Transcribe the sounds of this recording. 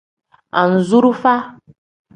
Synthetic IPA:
a̰˨n̩˨zu˦ɾu˦fa˦

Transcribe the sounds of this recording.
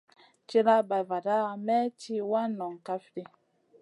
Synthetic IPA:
t͡ʃi˦ɾa˦ba˨va˨da˦˨mɛ˦t͡ʃi˦wa˦nɔ˨ŋ˨ka˦fɾi˦

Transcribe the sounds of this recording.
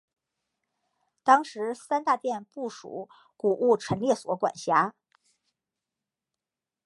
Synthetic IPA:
t̪ɑ˥ŋʂɻ̩˧˥sa˥nt̪a˥˧t̪jɛ˥˧npu˥˩ʂṵ˨˩˦ | ku˨˩ʔu˥˩ʈ͡ʂʰə˧˥nljɛ˥˩swɔ˧˥kwa̰˨˩nɕja˥

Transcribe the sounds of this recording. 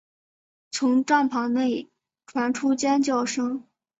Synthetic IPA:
t͡sʰʊ˧˥ŋʈ͡ʂa˥˩ŋpʰɑ˧˥ŋne˥˩ɪ | ʈ͡ʂʰwa˧˥nʈ͡ʂʰu˥t͡ɕjɛ˥nt͡ɕjɑ˥˩ʊʂɤ˥ŋ

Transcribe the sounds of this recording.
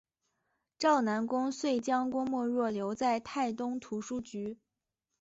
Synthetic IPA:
ʈ͡ʂɑ˥˩ʊna˧˥nkʊ˥ŋswe˥˩ɪt͡ɕjɑ˥ŋkwɔ˥ŋmwɔ˥˧ɻwɔ˥˩ljo˧˥ʊt͡sa˥˧ɪt̪ʰa˥˩ɪt̪ʊ˥ŋt̪ʰu˧˥ʂu˥t͡ɕy˧˥

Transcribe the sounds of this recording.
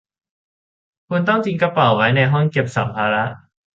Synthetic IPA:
kʰu˧nt̪ɔ˥˩ŋt͡ɕi˧nka˧pa˨˩wwa˦˥jna˧jɦɔ˥˩ŋke˨˩p̚sa̰˩˦mpʰaː˧ɾa˦˥ʔ

